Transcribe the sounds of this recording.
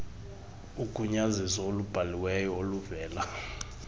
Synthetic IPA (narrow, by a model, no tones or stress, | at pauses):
uɡ̥ʱuɲazisɔolub̥ʱaliwɛjɔoluvɛːla